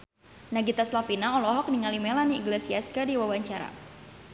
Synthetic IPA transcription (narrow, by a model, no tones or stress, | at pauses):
naɡit̪aslafinaɔlɔɦɔk̚niŋalimɛlaniːɡlesiaskadiwawaɲt͡ʃaɾa̰